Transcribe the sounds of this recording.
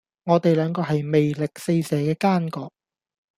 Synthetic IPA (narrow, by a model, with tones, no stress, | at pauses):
ŋɔː˨˧t̪e˨jlœː˨˧ŋkɔː˧hɐ˨jme˨jlɪ˨k̚se˧jsɛː˨˧˥kɛː˧kaː˥nkɔː˧k̚